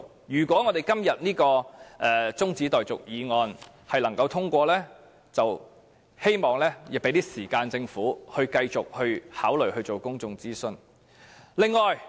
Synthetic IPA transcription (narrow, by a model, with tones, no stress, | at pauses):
jyː˨˩kʷwʷɔː˨˥ŋɔ˨˧t̪e˨jkɐ˥mjɐ˨t̚niː˥kɔː˧ʔɛː˨t͡sʊ˥ŋt͡siː˨˥t̪ɔː˨jt͡sʊ̰˨k̚jiː˨˧ŋɔː˨˧n | hɐ˨jlɐ˨˩ŋkɐ˧wt̪ʰʊ˥ŋkʷɔː˧lɛː˥ | t͡sɐ˨w | he˥jmɔː˨ŋlɛː˥˨˩pe˨˥jt̪iː˥siː˨˩kaː˧nt͡sɪ˧ŋfuː˨˥hɵ˧ɥkɐ˧jt͡sʊ˨k̚hɵ˧ɥhaː˨˥wlɵ˨ɥhɵ˧ɥt͡so˨wkʊ˥ŋt͡sʊ˧ŋt͡siː˥sɵ˧n | lɪ˨ŋːɔː˨j